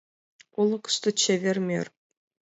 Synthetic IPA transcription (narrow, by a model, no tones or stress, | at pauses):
ulˠɤ̆kst̪ɨ̆t͡ɕevʲerʲmʲḛrʲ